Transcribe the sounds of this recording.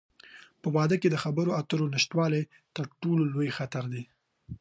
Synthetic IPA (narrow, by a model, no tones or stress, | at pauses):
pəwɑd̪əked̪əxabəɾoat̪əɾonɪʃt̪wɑlaj | t̪əɾʈololojxat̪aɾd̪e